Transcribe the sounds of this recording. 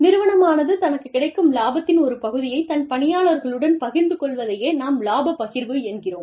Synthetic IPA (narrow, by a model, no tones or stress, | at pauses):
nɪɾɯʋɐɳɐmaːnɐðɯt̪ɐnɐkːɯkːɪɽɐɪkːɯmlaːbɐt̪ːɪnɔɾɯpɐɣɯðɪjɐɪt̪ɐnpɐɳɪjaːɭɐɾɣɐɭɯɽɐnpɐɣɪɾnd̪ɯkɔɭʋɐðɐjeːnaːmlaːbɐpːɐɣɪɾʋɯɛnɡɪroːm